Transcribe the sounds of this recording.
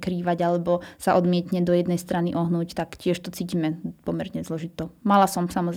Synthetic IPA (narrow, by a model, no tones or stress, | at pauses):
kɾiːʋaɟalɛbɔsaʔɔd̪mɪɛt̪ɲɛd̪ɔjɛd̪nɛjst̪ɾaniʔɔɦnuːct̪akcɪɛʃt̪ɔt͡siːciːmɛpɔmɛɾɲɛzlɔʒit̪ɔmalasɔmsamɔz